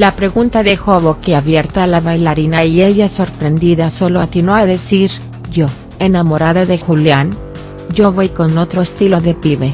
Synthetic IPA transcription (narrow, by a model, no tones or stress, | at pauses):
lapɾe̞ɣunt̪aðe̞xo̞βokeaβje̞ɾt̪aːlaβajlaɾinaieʝaso̞ɾpɾe̞nd̪iðaso̞loat̪inoaðe̞siɾ | ʝo | e̞namo̞ɾaðaðexuljan | ɟ͡ʝo̞βo̞jko̞no̞t̪ɾo̞est̪ilo̞ðepiβe